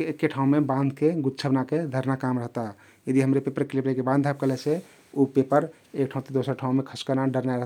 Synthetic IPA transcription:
ekːeʈʰaũmebãnd̪ʱkeɡut̪t͡ʃʰəbnaked̪ʱəɾnakamɾəɦt̪a | jəd̪iɦəmɾepepəɾklipɾekebãnd̪ʱab̚kəlɛsʰe | upepəɾ | ekʈʰaũt̪ed̪osəɾʈʰaũmekʰəskənaɖəɾnajɾəɦt̪a

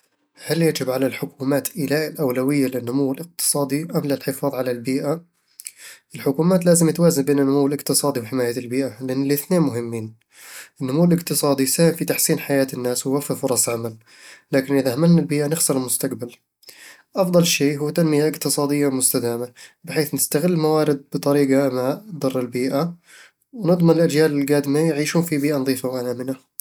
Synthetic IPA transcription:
haljad͡ʒɪbʕalalħʊkuːmaːt̪ʔɪlaːʔɪlʔawlawɪjːalɪnːʊmuwːɪlɪq̚t̪ɨ̥sˤɑːd̪ˤiʔamlalħɪfɑːðˤʕalalbiːʔa | ʔɪlħʊkuːmaːt̪laːzɪmjɪt̪waːzanbeːnɪnːʊmuwːɪlɪqt̪ɨsˤɑːd̪iwħɪmaːjaɪlbiːʔalɪʔanːɪlɪθneːnmʊɦɪmːiːn | ʔɪnːʊmuwːɪlɪqt̪ɨsˤɑːd̪ˤisaːhɪmfit̪aħsiːnħajaːt̪ɪnːaːswɪwafːɪfʊɾˤɑsˤʕamal | laːkɪnʔɪðahamalnalbiːʔanɪxsɨɾˤɪlmʊst̪aqbal | ʔɑfd̪ˤɑlʃeːɦuːt̪anmɪjaʔɪqt̪ɨsˤɑːd̪ɪjːamʊst̪ad̪aːmabɪħeːθnɪst̪aɣɪlːmawaːɾɪd̪̚bɨt̪ˤɑɾiːɡamad̪ʊrˤːɪlbiːʔa | wnɨd̪ˤmanɪlʔad͡ʒjaːlɪlɡaːd̪ɪmajʕiːʃuːnfibiːʔanðˤiːfawʔanaːmɪna

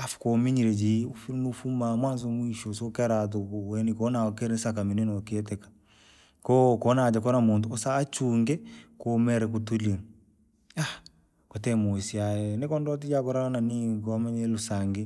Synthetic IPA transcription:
afu̥kɔmiɲiɾɛd͡ʒiufnufumamwanzɔmuiʃɔsɔkɛɾat̬ɔwɛnikɔnakɛɾɛsakamininɔkiɛtɛkḁ | kɔːkɔnad͡ʒakɔnamunduɔsaːt͡ʃuŋɡɛkɔmɛɾɛk̬utulie | a | kwɔtɛmuisiajɛnɛkɔndɔtid͡ʒakɔɾaananikɔmɛɲɛlusaŋɡe

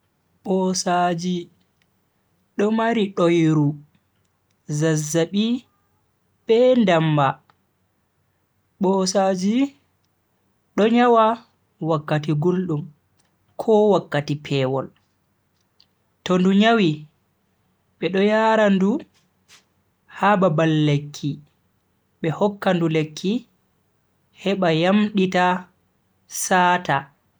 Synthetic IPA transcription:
ɓɔsad͡ʒi | ɗɔmaɾiɗojɾu | zazːaɓi | ɓɛndamba | ɓɔsaːd͡ʒi | ɗɔɲawa | wakːatiɡulɗum | kʰɔwakːatipʰɛːwɔl | tɔnduɲawi | ɓɛɗɔjaːɾandu | hababalːekʰːi | ɓɛhɔkːandulekʰːi | hɛɓajamɗita | saːta

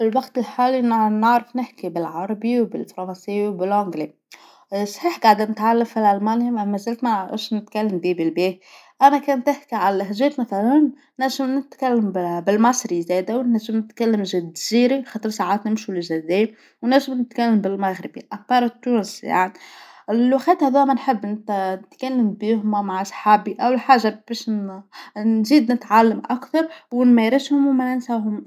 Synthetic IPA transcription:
ɪlwɑɡt̪ɪlħaːlinnaʕɾɑfnɪħkibɪlʕɑɾˤɑbiwbɪ̰lfɾˤɑnsɪjːwbɪlʕʊŋɡli | sˤħiːħɡaʕd̪nɪt̪ʕalːamfilʔalmaːnjammæzːalt̪maʔɪ̰ʃnɪt̪kalːambiːbɪlbeːt̪ | ʔænækæːnt̪ɪħkiʕalæɦʒeːt̪maθalan | næʒɪmnɪt̪kalːambbɪlmɑsˤɾizɛːd̪æwnæʒːɪmnɪt̪kælːəmʒɪd̪ziːɾixɑːt̪ˤəɾˤsaʕaːt̪nɪmʃulɪʒæd̪ɛ | wnæʒːɪmnɪt̪kælːəmbɪlmaɣɾɪbḭʔapːɑːɾˤt̪ːuːnsja̰ʕnilwaxæːt̪hæðuːmænħəbːnnɪt̪kælːəmbiːhʊmmaʕasˤħaːbiʔæwlħaːʒab̥ɛʃ | nziːd̪nɪt̪ʕalːəmʔakθɑɾˤwnmæɾɪshʊmwmænɪnsaɦʊm

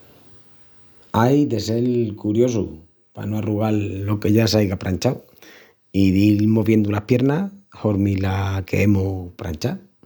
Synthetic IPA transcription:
ajd̪e̞se̞lkuɾjo̞su | pa̰noaruɣalːo̞ke̞ʝasajɣapɾaɲt͡ʃaw | iðimoβje̞nd̪ulahpje̞ɾnaho̞ɾmilakʰe̞̰emopɾa̰nt͡ʃa

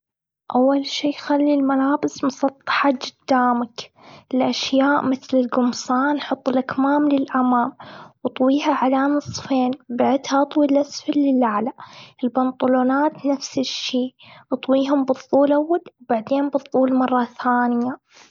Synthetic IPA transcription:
ʔawːalʃiːjxalːilmalaːbɪsmʊsˤɑt̪ˤːɑ̥ħad͡ʒɪd̪̥ːaːmak | ɪlʔaʃjaːʔmɪθlɪlɡʊmsɑːnħʊt̪ˤːɨlʔakmaːmlɪlʔamaːmwɨt̪ˤwiːɦaʕalaːnɨsˤfeːnbaʕɪd̪haʔɑt̪ˤwilʔasfalːɪlʔaʕlaʔɪlbʊnt̪ˤʊloːnaːt̪nafsɪʃːiːʔɑt̪ˤwiːɦʊmbɨðˤːuːlʔawːalwbaʕd̪eːnbɨðˤːuːlmɑrˤːɑθaːnɪja

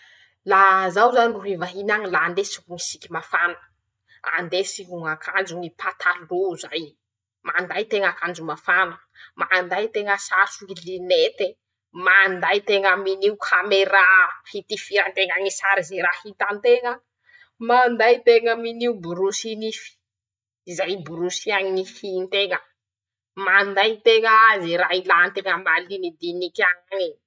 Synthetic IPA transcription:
lazawzaniruɦivaɦinaŋilaːnd̪esikumisikʲimafanə̥ | a̰nd̪esiɦuŋakʰand͡ʒuŋipʰat̪ʰaluzaj | mand̪ajt̪eŋakand͡ʒumafanə | mand̪ajt̪eŋəsat͡suilinet̪e | mand̪ajt̪eŋəminiukʰameɾahit̪ifiɾant̪eŋaɲisaɾizeɾahit̪ant̪eŋə | mand̪ajt̪eŋəminiubuɾusinifi̥ | izajbuɾusiaɲinihint̪eŋə | mand̪ajt̪eŋəzeɾailant̪eŋəmalinid̪inikaŋaɲi

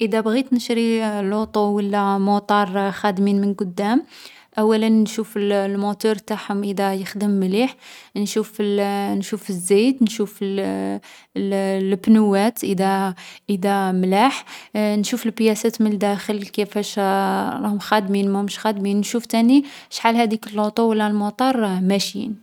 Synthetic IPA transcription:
ʔəd̪æbɣit̪nəʃɾilut̪ˤuwəlːæmot̪ˤɑɾˤxæd̪minmənɡʊd̪ːæm | ʔæwːælənːʃufəllmut̪uɾˤt̪aħhʊmʔəd̪æjəxd̪əmːliħnʃuflnʃufəzːijd̪nʃuf | lbnuwæt̪ʔəd̪æʔəd̪æmlaħnʃufəlbjæsæt̪mənəld̪æxəlkæfæʃlɑhʊmxæd̪minmæhʊmʃxæd̪minnʃuft̪æniʃħalhæd̪ikəlːot̪ˤuwəlːælmot̪ˤɑɾˤmæʃjḭn

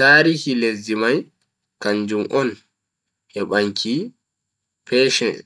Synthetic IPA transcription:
taːɾihilezimaj | kaɲd͡ʒumʔɔn | ʔɛɓaŋkʰi | pɛːʃɛ

